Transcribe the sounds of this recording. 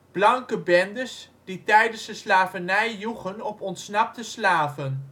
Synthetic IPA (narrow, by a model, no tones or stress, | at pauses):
b̥lɑŋkəbɛndəs | d̥itɛjdənsdəslaːvənɛjːuχənɔpɔntsnɑp̚təslaːvən